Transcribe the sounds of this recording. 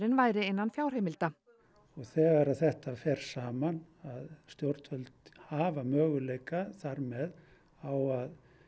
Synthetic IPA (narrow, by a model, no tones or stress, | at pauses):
ɾɪnvaːjɾɪenːanfjawɾ̥heːjmɪlt̪a | ɔɣθɛːɣaɾaðθɛht̪afɛɾ̥saːman | aðst̪jowɾt̪fœlt̪haːvamœːɣʏlejkaθaɾmɛð | awað